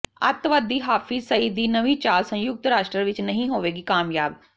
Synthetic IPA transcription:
ə̰t̪ʋəd̪iːɦaːfʰiːsəiːd̪iːnəʋiːt͡ʃaːlsə̃jʊɡ̚t̪ɾaːʃʈɾəɾʋɪt͡ʃnəɦĩːɦoːʋeːɡiːkaːmjaːb

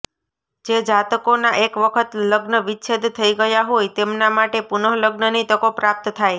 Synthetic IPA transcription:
d͡ʒed͡ʒat̪əkonaʔekʋəkʰət̪ləɡnəʋɪtːʃʰed̪t̪ʰəiɡəjaɦojt̪emnamaʈepunəɦləɡnənit̪əkopɾap̚t̪t̪ʰaj

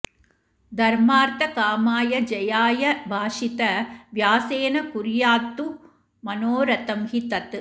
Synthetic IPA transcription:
d̪ʱɐɾmaːɾt̪ɐkaːmaːjɐd͡ʒɐjaːjɐbʱaːʂit̪ɐʋjaːseːnɐkʊɾjaːt̪ːu | mɐnoːɾɐt̪ɐmhit̪ɐt̪ː

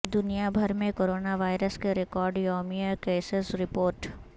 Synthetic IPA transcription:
d̪ʊnijabʱɐɾmẽkoːɾoːnaʋaːɪɾəskeɾɪkɔːɾɖjɔːmijakeːsɪsɾɪpoːɾʈ

